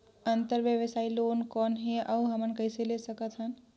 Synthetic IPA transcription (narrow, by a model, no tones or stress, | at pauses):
ə̃nt̪əɾʋjəʋəsaːiloːnkɔːnɦeʔɐuɦɐmənkəɪselesəkət̪ɦən